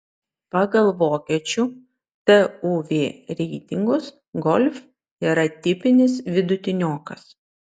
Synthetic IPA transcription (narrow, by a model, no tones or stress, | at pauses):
pɑːɡɐlˠʋoːkʲɛːt͡ʃʲu | t̪ɛuʋʲeːɾʲɛɪt̪ʲɪŋɡʊs | ɡɔlʲf | iːɾɐt̪ʲɪpʲɪnʲɪs̬ʋʲɪd̪ʊt̪ʲɪnʲoːkɐs